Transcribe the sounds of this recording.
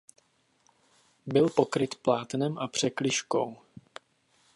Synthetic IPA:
bɪlpo̞kɾɪt̪plaːt̪nɛmʔapr̝̥ɛklɪʃkow

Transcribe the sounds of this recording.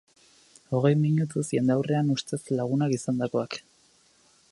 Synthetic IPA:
o̞ɣ̞e̞jmiɲut̪̬usje̞nd̪awre̞anust̪e̞slaɣ̞unakisand̪ako̞ak

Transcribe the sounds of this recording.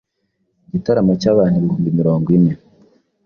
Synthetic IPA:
ɟitaɾamacaːβaːn̥huβihuːmbimiɾo̞ːŋɡwine̞

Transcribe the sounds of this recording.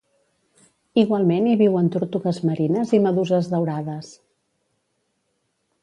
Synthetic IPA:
iɣwalˠmeniβiwənt̪uɾt̪uɣəzməɾinəziməðuzəzðəwɾaðəs

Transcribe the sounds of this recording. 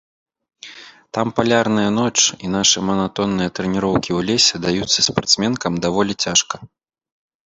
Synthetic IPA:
t̪ampalʲarnɨjɐnɔt͡ʂinaʂɨmɐnat̪ɔnːɨjɐt̪ɾɛnʲiɾɔwkʲiwlʲɛsʲɛd̪ajut̪sːɐspart̪smʲɛnkɐmd̪avɔlʲit͡sʲaʂkɐ

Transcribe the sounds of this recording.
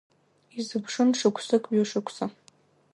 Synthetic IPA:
izɨpʰʂɨnʂɨkʷʰsɨkʼɥoʂɨkʷʰsa

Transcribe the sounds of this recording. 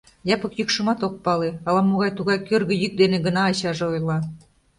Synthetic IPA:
jɑpɤ̆kjykʃɤ̆mɑt̪ok̚pɑleɑlɑmoɣɑjt̪uɣɑjkørɣə̆jyk̚d̪enĕɡə̆nɑːɕɑʒĕojlˠɑ

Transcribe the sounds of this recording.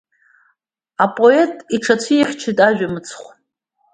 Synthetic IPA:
apʼo̞e̞tʼiʈ͡ʂʰat͡sʷʰiiχʲt͡ʃʰitʼaʒᶣamɨt͡sʰχʷ

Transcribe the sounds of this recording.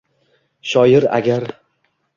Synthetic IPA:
ʃɒjɪɾa̰ɡʲaɾ

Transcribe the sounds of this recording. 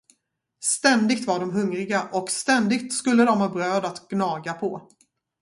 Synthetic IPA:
st̪ɛnd̪ɪɡ̚t̪vaɖɔmɦɵŋɾɪɡaʔɔkst̪ɛnd̪ɪɡ̚t̪skɵlːəd̪ɔmɦɑːbɾøːd̪at̪ɡ̥nɑːɡapʰɔ

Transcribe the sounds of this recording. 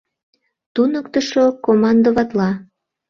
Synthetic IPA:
t̪unəkt̪əʃokomɑnd̪oβɑt̪lɑ

